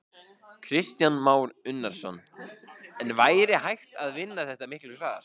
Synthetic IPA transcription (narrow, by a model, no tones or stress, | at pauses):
kʰɾɪst̪janmaːwɾʏnːaɾ̥sɔn | ɛnvaːjɾɪhajht̪aðvɪnːaθɛht̪amɪhklʏɾkʰɾaːðaɾ̥